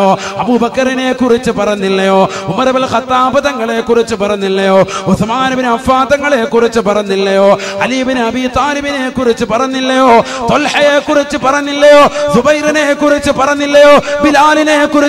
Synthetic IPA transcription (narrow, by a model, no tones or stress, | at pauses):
oː | ɐbubɐkːɐrine̞kurit͡ɕːɨpɐrɐnːilːɐjo̞ː | umɐrɐʋɐɭxɐt̪ːaːbɐðɐŋːɐɭekːurit͡ɕːɨpɐrɐnːilːɐjo̞ːusɐmaːnɐʋineɐfaːd̪ɐŋːɐɭekurit͡ɕːɨpɐrɐnːilːɐjo̞ː | ɐliːbineɐbit̪aːliʋine̞kurit͡ɕːɨpɐrɐnːilːɐjo̞ː | t̪olħɐjekːurit͡ɕːɨpɐrɐnːilːɐjoːsubɐjɾɐnekurit͡ɕːɨpɐrɐnːilːɐjo̞ːbilaːlinekːuri